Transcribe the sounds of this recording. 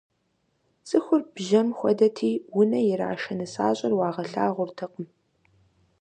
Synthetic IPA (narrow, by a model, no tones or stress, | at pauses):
sʼɨxʷʊrb̥ʒɐmxʷɔ̰dɐtʰiːwʊnɐjɪɾa̰ːʃɐnɨsa̰ːɕʼɐrwɑːʁɐɬa̰ːʁʷʊrtʰɨqəm